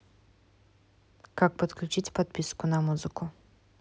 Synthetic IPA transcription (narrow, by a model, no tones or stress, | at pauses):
kak̚pɐt̪klʲut͡ʃit͡sʲpad̪̚pʲiskʊnɐmuzɨkʊ